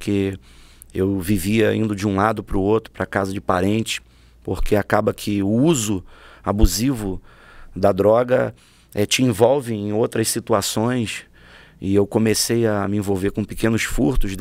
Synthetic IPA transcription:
kʰe | ewviviɐĩnd̪ʊd͡ʒɪũlad̪ʊpɾʊowt̪ɾʊ̥pɾɐkazɐd͡ʒɪpaɾẽnt͡ʃɪ̥ | poɾkeakabɐkʰɪʊuzʊa̰buzivʊ | d̪ɐd̪ɾɔɡɐ | ɛt͡ʃɪẽvɔwvɪẽj̃owt̪ɾɐssit̪uasõj̃s | ɪewkõmesejɐmɪẽvowvekõpikẽnʊsfuɾt̪ʊz

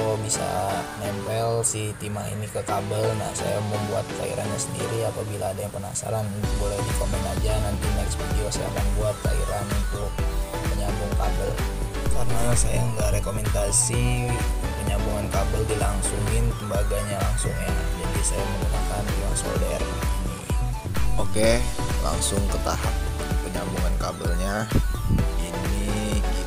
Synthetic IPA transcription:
obisa̰nɛmpɛlsit̪imaḭnikəkabəlna̰hsa̰jaməŋmbua̰t̪̚ka̰ḭɾʔa̰nɲasəndḭɾiapabilaːdajaŋpəna̰sa̰ɾannʊk̚bolɛhdikomənad͡ʒanant̪imasə̥pərɡiwasa̰ja̰a̰kanbuat̪̚ka̰ḭɾanunt̪ʊk̚ | məɲabuŋka̰bə̰l | karənasajaŋɡaɾekomɛnt̪asi | pəɲabuŋankabəldilaŋsuŋɪnt̪əmbaɡaɲalaŋsʊŋɲad͡ʒadisajamənəmakanjaŋso̰dɛr | inḭ | okela̰ŋsʊŋkət̪a̰ɦap̚ | pəɲambuŋankabəlɲa | ini

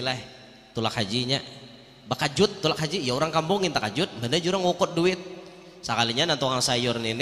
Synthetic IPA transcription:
la | t̪ulak̚had͡ʒiɲa | bakad͡ʒʊt̪ːulak̚had͡ʒijauɾaŋkambɔŋɪnt̪akad͡ʒʊt̪̚mbəndad͡ʒuɾaŋokɔt̪̚duɪt̪̚ | sakaliɲanant̪oŋaŋsajʊrnin

